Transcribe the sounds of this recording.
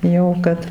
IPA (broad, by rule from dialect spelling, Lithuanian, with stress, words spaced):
jɛʊ ˈkɐt